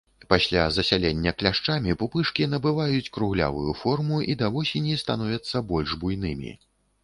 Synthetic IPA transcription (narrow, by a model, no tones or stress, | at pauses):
pasʲlʲazɐsʲalʲenʲːɐklʲaʂt͡ʂamʲipupɨʂkʲin̪ɐbɨvajut͡sʲkɾuɣlʲa̰vujufɔrmuʔid̪avɔsʲenʲist̪an̪ɔvʲɐt̪sːɐbɔlʲʐbujn̪ɨmʲḭ